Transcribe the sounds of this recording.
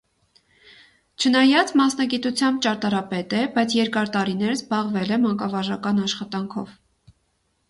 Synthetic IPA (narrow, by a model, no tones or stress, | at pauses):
t͡ʃʰənɑjɑt͡smɑsnɑɡit̪ut͡sʰjɑmbt͡ʃɑɾt̪ɑɾɑpɛt̪ɛbɑjt͡sʰjɛɾkɑɾt̪ɑɾinɛɾəzbɑʁvɛlɛmɑŋkɑvɑʒɑkɑnɑʃχɑt̪ɑŋkʰɔv